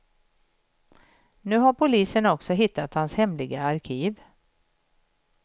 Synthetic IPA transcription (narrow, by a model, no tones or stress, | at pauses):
nʉ̟ːɦaɾpʰʊliːsənɔksɔɦɪt̪ːat̪hanshɛmlɪɡaaɾkʰiːv